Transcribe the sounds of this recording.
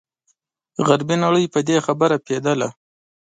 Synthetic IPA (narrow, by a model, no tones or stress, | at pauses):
ɣaɾbinaɽəjpəd̪exabəɾaped̪əla